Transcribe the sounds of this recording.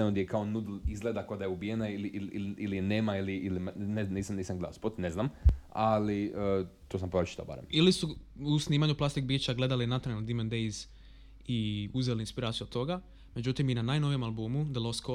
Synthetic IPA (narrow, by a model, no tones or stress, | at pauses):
enond̪jekaonud̪lizɡled̪akod̪ajeubijenailiʔilililineːmailiilimneniːsamniːsaŋɡled̪alspot̪neznamaliət̪osampoɾot͡ʃi̥t̪a̰ba̰ɾḛmilisuusniːmaɲuplast̪ik̚biːt͡ʃaɡle̞d̪alinat̪ɾald̪imend̪ejz | iuzelinspiɾaːt̪sjuod̪̚t̪o̞ɡa | me̞d͡ʑut̪iminanaːjno̞ʋije̞malˠbuːmud̪elˠosko